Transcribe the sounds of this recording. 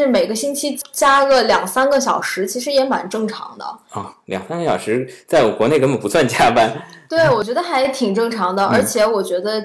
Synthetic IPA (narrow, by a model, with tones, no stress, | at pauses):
ɻ̩˥˩me˨˩ɪɡə˦ɕi˥nt͡ɕʰi˥t͡ɕja˥ɡə˨˩ljɑ˨˩ŋsa˥nɡə˨ɕ̬jɑ˨˩ʊʂɻ̩˧˥t͡ɕʰi˧˥ʂ̬ɻ̩˧˥jɛ˧˥ma̰˨˩nʈ͡ʂɤ˥˩ŋʈ͡ʂʰɑ̰˧˥ŋd̪ə̰˧ɔ˥˩ljɑ̰˨˩ŋsa˥nɡə˩ɕjɑ˨˩ʊʂɻ̩˧˥t͡sa˥˩ɪɔ˩kwɔ˧˥ne˥˩ɪkə˥nbə˨˩npu˧˥swa˥˩nt͡ɕja˥pa˥˩nt̪we˥˩ɪwɔ˨˩t͡ɕɥɛ˧˥d̪ə˧xa˧˥ɪt̪ʰi˨˩ŋʈ͡ʂɤ˥˩ŋʈ͡ʂʰɑ˧˥ŋd̪ə˧ʔə̰˞˧˥t͡ɕʰjɛ˧˥wɔ˨˩t͡ɕɥɛ˧˥d̪ə˧